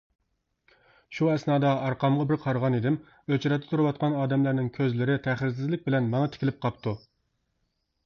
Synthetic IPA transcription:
ʃuɛsnɑːd̪ɑɑɾqɑmʁɑbɪɾqʰɑɾʁɑnid̪ɪm | øt͡ʃɾɑt̪ːɛt̪ʰuɾɨwɑt̪̚qʰɑnɑːd̪ɛmlæɾnɪŋkʲʰøzlɪɾɪt̪ʰæχɾs̬ɪzlɪk̚ʲbɪlɛnmɑŋɑt̪ʰɪ̥kʲilɪp̚qʰɑp̚t̪ʰu

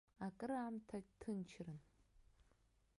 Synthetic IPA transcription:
akʼɨɾaːmtʰatʰɨnt͡ʃʰrɨn

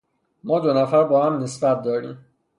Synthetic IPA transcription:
mɒːd̪onæfæɾbɒːhæmne̞sbæt̪̚ʰd̪ɒːɾḭːm

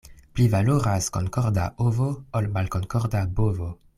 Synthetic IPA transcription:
plivaloɾasko̰ŋkɔʁda̰ʔovoolmalkoŋkɔʁdabovo

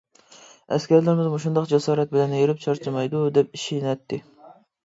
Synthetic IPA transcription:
ɛ̰skʲæɾlɪɾɪmɪzmoʃund̪ɑqd͡ʒɛsɑːɾɛt̪̚bɪlɛnjeɾɪp̚t͡ʃʰɑɾt͡ʃʰɨmɑjd̪ud̪ɛp̚iʃijnɛt̪ːɪ

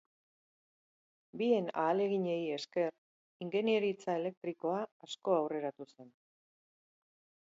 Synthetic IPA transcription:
bie̞na̰ːle̞ɣiɲe̞je̞ske̞r | iŋɡe̞nieɾit͡sae̞le̞k̚t̪ɾiko̞aːsko̞awre̞ɾat̪use̞n

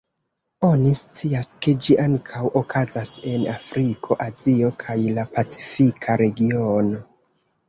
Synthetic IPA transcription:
o̞nist͡siaske̞d͡ʒiʔaŋkʰawokʰazase̞nafɾikʰo̞ʔazio̞kʰajlapat͡si̥fikʰaɾe̞ɡio̞no̞

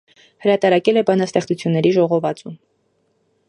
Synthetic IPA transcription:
həɾɑt̪ɑɾɑkɛlɛbɑnɑst̪ɛχt͡sut͡sʰjunːɛɾiʒɔʁɔvɑt͡sum

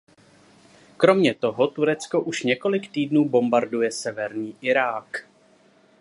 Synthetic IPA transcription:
kɾo̞mɲɛt̪o̞ɦot̪uɾɛt͡sko̞ʔuʃɲɛko̞lɪkt̪iːdnuːbo̞mbaɾdujɛsɛvɛɾɲiːʔɪɾaːk

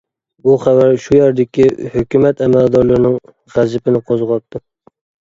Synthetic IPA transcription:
buχævæɾʃujæɾd̪ɪkʲʰihøkʲymɛt̪ɛmæld̪ɑɾlˠɨɾɪnɪŋ | ʁæzɪpʰɪnɪqʰozʁɑt̪ːɨ

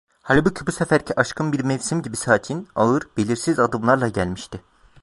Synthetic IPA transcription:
halʲbucʰibusefæɾcʰiʔaʃkʰɯnbiɾmɛvʲsimɟibisaːcʰinaɯɾbelʲiɾsizad̪ɯmlˠaɾlˠaɟælʲmiʃt̪ɪ

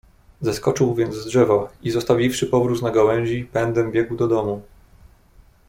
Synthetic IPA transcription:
zaskɔt͡ʂɘwvʲjɛnd̪zdʐɛvɔizɔst̪avʲifʂɘpɔvɾut̪naɡawɛ̃w̃ʑipɛnd̪ɛmbʲjɛɡwd̪ɔd̪ɔmu

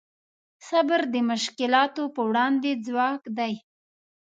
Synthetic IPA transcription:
sabəɾd̪əmʊʃkɪlɑt̪opəwɽɑnd̪ed͡zwɑkd̪aj

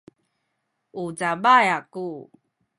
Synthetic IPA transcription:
ud͡zabajaku

